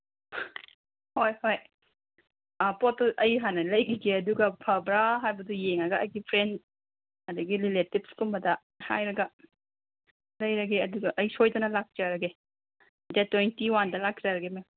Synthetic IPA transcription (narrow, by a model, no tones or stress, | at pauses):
hojhoj | apɔtːʔɐjɦanɐlɐjɡiɡeɐduɡapʰabɾaɦajbɐdujeŋaɡaɐjɡipʰɾend | ɐdɐɡililetip̚skulmɐda | ha̰jɾɐɡa | lɐjɾaɡeɐduɡaʔɐjsojdɐnɐlak̚t͡ʃaɾɐɡe | detwejntiwandɐlak̚d͡ʒaɾɐɡeme